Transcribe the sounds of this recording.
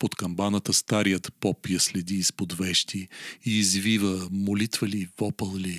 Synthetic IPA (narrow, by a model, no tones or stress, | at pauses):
pot̪kɐmbanət̪əst̪aɾijət̪pɔpjəslɛd̪iːspod̪vɛʃt̪iiːzvivəmolit̪vəlivɔpəlˠli